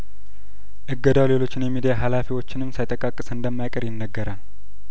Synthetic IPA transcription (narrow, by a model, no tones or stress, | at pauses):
ʔɨɡːəd̪awle̞lo̞t͡ʃːɪnjɛmːid̪ijaɦalafiwo̞t͡ʃːɪnɨmːsajt̪ʼəkʼakʼːɨsɨnd̪əmːajkʼəɾjɪnːəɡːəɾal